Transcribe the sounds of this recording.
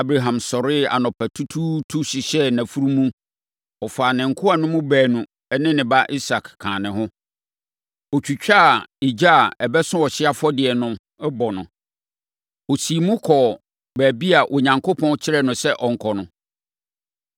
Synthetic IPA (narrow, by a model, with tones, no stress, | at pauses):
a˦bɾa˨ɦã˨msɔ˨ɾɪ˦a̰˨nɔ̃˨pʰæ˨tʰu˦tʰu˦tʰu˦ɕi˨ɕɛ˦næ̃˨fu˦ɾu˦mũ˦ | ɔ˨faː˨nɪ̃˨ŋ̩˨kʰʊ˦a˨nʊ̃˦mũ˦bæː˨nũ˨ | ɛ˦nɪ̃˦nɪ̃˨ba˦ʔi˦sa˨kkʰːã̰ː˨nɪ̃˨ɦʊ̃˦ | ɔ˨t͡ɕᶣu˨t͡ɕᶣa˦˨i˨d͡ʑa˦a˨ɛ˨bɛ˦sʊ̃˦wɔ˨ɕɪ˦a˦fɔ˦dɪ˨ɛ˨nʊ̃˦ | ɛ˦bɔ˨nʊ̃˨ | ɔ˨si˨mũ˦kʰɔ˨ | bæː˨bi˦a˨ʔo˨ɲã˨ŋkʰo˦pʰɔ̃˦n˦t͡ɕʰɪ˦ɾɛ˦nʊ̃˨sɛ˦ʔɔ˨ŋ̩˨kʰɔ˨nʊ̃˨